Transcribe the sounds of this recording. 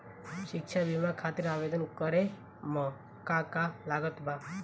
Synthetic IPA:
ʃɪkʃabimãkʰat̪iɾaʋed̪ənkəɾe | mɔ̃ | kakalaɡət̪bʱa

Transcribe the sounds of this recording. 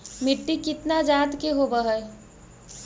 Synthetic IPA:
mɪʈːikɪt̪nad͡ʒaːt̪keɦobəɦɛ

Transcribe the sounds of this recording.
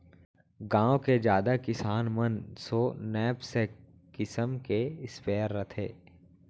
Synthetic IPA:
ɡãːõked͡ʒjaːd̪akɪsaːnmənsoːnɛːbse | kɪsəmkeɪspeːɾːət̪ʰḛː

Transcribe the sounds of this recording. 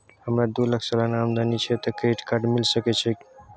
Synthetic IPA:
həmɾad̪uləkʰsalanamd̪anit͡ʃʰɛt̪keʈkaɾɖmilsəkɛt͡ʃʰɛk

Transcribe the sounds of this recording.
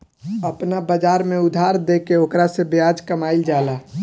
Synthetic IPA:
əpnabəd͡ʒaːɾmẽʊd̪ʱaːɾd̪ekeoːkɾasebjaːd͡ʒkəmaːild͡ʒaːla

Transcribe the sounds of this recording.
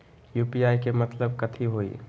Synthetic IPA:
juːpijaːikemɐt̪ləb̚kɐt̪ʰiɦoːḭː

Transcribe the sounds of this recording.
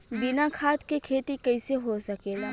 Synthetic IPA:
bɪnakʰaːt̪kekʰeːt̪ikɐɪseɦosɐkeːlaː

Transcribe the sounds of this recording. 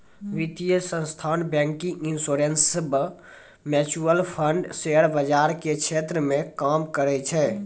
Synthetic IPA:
ʋit̪ijəsə̃st̪ʰanbɛ̃ŋkĩŋinsoɾensəbʱ | mɛt͡ʃuəlpʰəɳɖseɽbəd͡ʒaɾkekʰet̪ɾəmẽkamkəɾɛt͡ʃʰɛ

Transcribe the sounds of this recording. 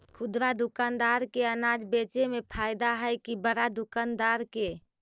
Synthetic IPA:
kʰʊd̪ɾad̪ʊkaːnd̪aɾkeənad͡ʒbeːt͡ʃemepʰaɪd̪aɦəjkibəɾad̪ʊkaːnd̪aːɾke

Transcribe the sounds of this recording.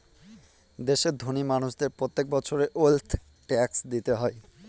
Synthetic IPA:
d̪eʃeɾd̪ʱonimanuʃd̪eɾpɾot̪ːek̚bɔt͡ɕʰoɾeʔolt̪ʰ | ʈɛksd̪it̪eɦɔe

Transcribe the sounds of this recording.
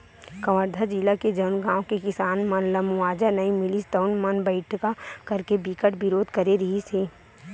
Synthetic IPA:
kɐʋəɾd̪ʱad͡ʒilaked͡ʒɐʊnɡãːõkekɪsaːnmɐnlɐmaːd͡ʒanɐĩmɪlist̪əʊnmɐnbəɪʈʰkakɐɾkebɪkəʈbɪɾoːd̪ʱkɐɾeɾɐɦiseː

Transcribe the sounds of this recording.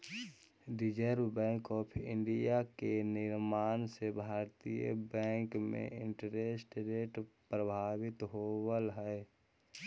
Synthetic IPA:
ɖɪd͡ʒəɾbbɛ̃ːŋkɔːpʰɪ̃ɳɖijakenɪɾmaːnsebʱaːɾt̪ijə̰bɛ̃ːŋkmḛ̃ʔɪ̃ɳʈəɾeːsʈɾeːʈpɾəbʱaːwɪt̪ɦoːwəlɦɛ

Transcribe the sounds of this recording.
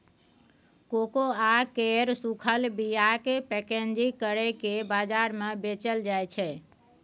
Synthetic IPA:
kokoakeɾsukʰəlbijakepɛkend͡ʒikəɾɛkebad͡ʒaɾmẽbet͡ʃəld͡ʒajt͡ʃʰɛ

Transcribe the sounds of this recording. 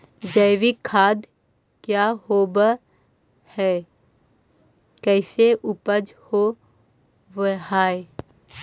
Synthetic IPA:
d͡ʒəɪʋikʰaːd̪ | kjaɦoːbə | hɛː | kɛːseʔʊpəd͡ʒho | ʋəɦaːe

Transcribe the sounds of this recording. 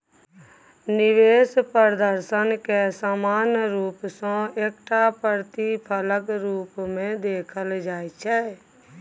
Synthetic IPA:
nɪʋeːspəɾd̪əɾsənkesaːmaːnɾuːpsɔ̃eːk̚ʈapəɾt̪ipʰələɡɾuːpmẽd̪eːkʰəld͡ʒaːjt͡ʃʰɛ

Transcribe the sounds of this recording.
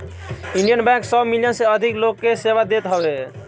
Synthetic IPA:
iɳɖijənbɛ̃ŋksəbmiljənseəd̪ʱiklokːeseβad̪et̪ɦəbe

